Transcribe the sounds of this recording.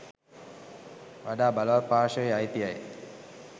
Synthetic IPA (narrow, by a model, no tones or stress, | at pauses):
ʋaɖaːbaləʋarpaːʃəjajt̪iaj